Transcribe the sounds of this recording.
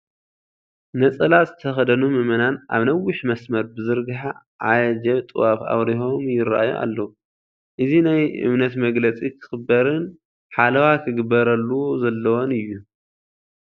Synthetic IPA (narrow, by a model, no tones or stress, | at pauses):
nɐt͡sʼɐlat̪zɨt̪ʰɐxɐd̪ɐnumɨmɐnanʔa̰βnɐwːɪħmɐsmɐɾbɨzɨɾɡɨħa | ʕa̰jɐd͡ʒɐβt̪ʼɨwafa̰βɾiho̞mjɪɾa̰ʔa̰jṵʔa̰lːɐu | ʔɨzinajɨ̰βnɐt̪mɐɡlɐt͡sʼikʰɨ̥xɨbːɐɾɨn | ħalɐwakʰɨɡɨbːɐɾɐlːuwozɐlːɐwo̞nɨjːu